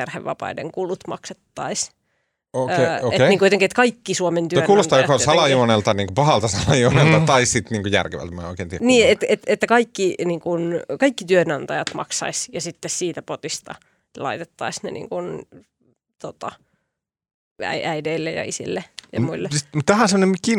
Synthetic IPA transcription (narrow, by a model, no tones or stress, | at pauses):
erheʋʋɑ̰pɑ̰idḛŋkulut̪mɑ̰kset̪ːɑis | ooeteniŋkujot̪eŋkiet̪kɑikːisuoment̪ykuːlost̪ɑːjokɑolssɑlɑjuonelt̪ɑniːŋkupɑhɑlt̪ɑsɑlɑjuonelt̪ɑt̪ɑissit̪niːŋkujæ̰rkeʋæ̰lt̪mɑ̰oikeːˑnt̪iæniːet̪et̪et̪ːækɑikːiniːŋkunkɑikːit̪yønɑnt̪ɑjɑt̪mɑ̰ksɑ̰isjɑsit̪ːessiːt̪æpot̪ist̪ɑ̰ | lɑ̰it̪et̪ːɑ̰isnḛnḭːŋkun | t̪ot̪ɑ | æ̰iæideilːejɑ̰isḭlːejɑ̰muilːemut̪t̪ːæhˑonsemonemikːin